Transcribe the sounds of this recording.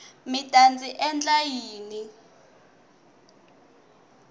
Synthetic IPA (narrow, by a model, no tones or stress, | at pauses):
mid̥ʱʼant͡sʼiʔɛnt͡ɬʼajiːni